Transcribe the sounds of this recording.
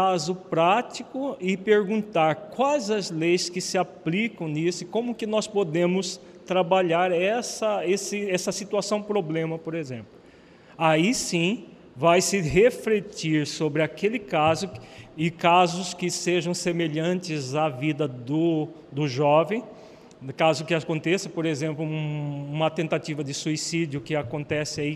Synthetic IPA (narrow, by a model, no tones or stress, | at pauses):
kazʊpɾat͡ʃikʊɪpeɾɡũnt̪aɾkwajzɐzlejskɪsɪaplikɐ̃w̃nisʊɪkõmʊkɪnɔspod̪ẽmʊs | t̪ɾabaʎaɾɛsɐesɪɛsɐsit̪uasɐ̃w̃pɾoblẽmɐpoɾezẽmplʊ | aisĩ | vajsɪɦeflet͡ʃiɾsobɾɪakelɪkazʊɪkazʊskɪseʒɐ̃w̃semeʎɐ̃ntɪzavid̪ɐd̪ʊ | d̪ʊʒɔvẽj̃ | kazʊkɪakõnt̪esɐpoɾezẽmplʊũũmɐt̪ẽnt̪at͡ʃ̪ivɐd̪ɪsuisid͡ʒʊkɪakõnt̪ɛsɪai